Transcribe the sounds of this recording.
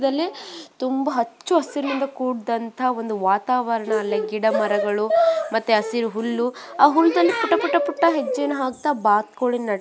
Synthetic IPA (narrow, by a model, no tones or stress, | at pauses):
d̪ɐlːit̪umbɐɦɐt͡ʃːuɐsiɾmind̪ɐkuːɽd̪ɐnt̪ʰɐɐo̞nd̪uʋaːt̪aːʋɐɾɐɳɐːlːeɡiɽɐmɐɾɐɡɐɭumɐt̪ːuɐsiɾuɦulːuaːɦulːd̪ɐlːipuʈːɐpuʈːɐpuʈːɐɦed͡ʒːeːnuɦaːɡ̚t̪aːbaːt̪̚koɭinnɐɽ